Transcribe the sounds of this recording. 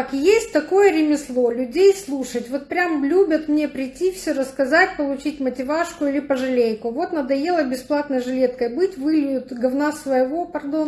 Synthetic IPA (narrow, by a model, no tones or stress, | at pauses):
kjesʲtʲt̪ɐko̞jəɾʲɪmʲɪslˠo̞lʲʊdʲejslˠuʂətʲvo̞t̪̚pɾʲamlʲubʲət̪mnʲepɾʲɪtʲːifsʲoɾəskɐzatʲpəlˠʊt͡ɕitʲmətʲɪvaʂkʊilʲɪpəʐɨlʲejkʊvo̞t̪nəd̪ɐjelˠəbʲɪsplˠat̪nəjʐɨlʲe̞t̪kəjbɨtʲvɨlʲjʊt̪ɡɐvnasvəjɪvo̞pɐrd̪o